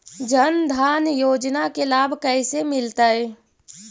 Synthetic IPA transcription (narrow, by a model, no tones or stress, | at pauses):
d͡ʒənd̪ʱaːnjoːd͡ʒnakelaːbʱkəɪsemɪlt̪aɛ